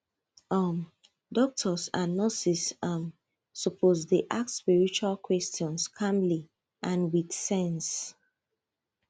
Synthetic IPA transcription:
ɔm | dɔk̚tʰɔsãnːɔsisam | sɔpʰozdiʔak̚tspiɹit͡ʃualkʰwɛstʰiɔ̃nskʰãmli | ʔãnwidsɛ̃ns

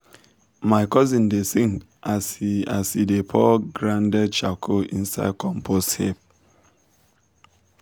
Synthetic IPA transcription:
maɪkɔzĩndesiŋ | asa̰sidepʰɔɡɾãndɛd̚t͡ʃakʰoʔin̩sa̰ɪd̚kɔmpʰosthep

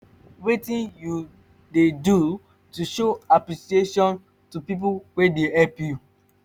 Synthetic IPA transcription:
wetĩnju | dedu | tuʃoapɾisieʃɔ̃n | tupip̬uwedeɦɛpju

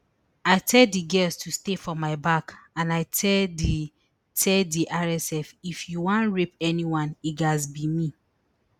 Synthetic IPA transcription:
aɪtʰɛldiɡɛstʰustefɔmaɪbakãnaɪtʰɛdi | tʰɛldiʔaɹɛsɛfifjuwãnɹip̚ɛniwãniɡazbimi

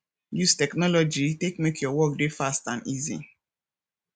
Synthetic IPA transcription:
justɛknɔlɔd͡ʒitekmekʰjɔwɔk̚defastã̰nizḭ

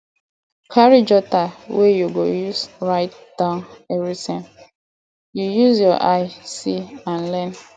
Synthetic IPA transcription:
kʰaɹid͡ʒɔtawejuɡojusɹaɪt̚ | d̥ãʊ̃neɡisɛ̃n | jujuzjɔʔaɪsiãnlɛn

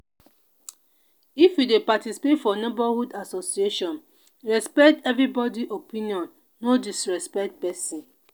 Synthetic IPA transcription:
ifjudepatisi̥petfɔnebahudasosieʃɔ̃n | ɹɛspɛktɛvɾibɔdiʔopĩniɔ̃nː | odisɹɛspɛk̚t̚pɛsĩn

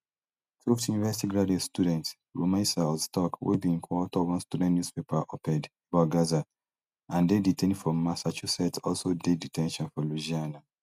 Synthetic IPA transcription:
fiftjunivɛsi̥tiɡɹadiɔstudɛ̃nt | ɹomãsaɔstɔkwḛbĩŋkʰwɔtɔwɔ̃nstudɛ̃nnjuspepʰaʔɔpɛ̃debaɡaza | ãndeditʰɛ̃nfɔ̃masat͡ʃusɛtɔlsodeditʰɛ̃nʃɔ̃nfɔluʒiana

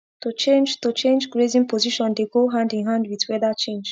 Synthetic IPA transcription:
tut͡ʃẽnd͡ʒtot͡ʃẽnd͡ʒɡɹezĩŋpoziʃɔ̃ndeɡoɦãndãnɦãndwitwɛdat͡ʃẽnd͡ʒ

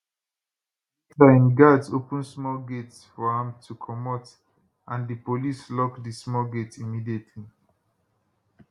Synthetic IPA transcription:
klaĩnɡadsopə̃nsmɔlɡetsfɔãmtʰukʰɔmɔt | ʔãndəpolislɔkdismɔɡetimidietʰli

